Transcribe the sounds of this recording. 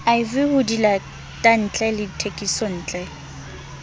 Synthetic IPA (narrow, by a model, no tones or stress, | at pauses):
aɪvɪhʊdila | tʼan̩t͡ɬʼɛlɪtʰekʼisɔn̩ːt͡ɬʼɛ